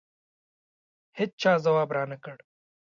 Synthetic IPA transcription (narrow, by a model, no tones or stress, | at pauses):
hɪt̚t͡ʃʰaːzɐwaːbɾaːnɐkɐɽ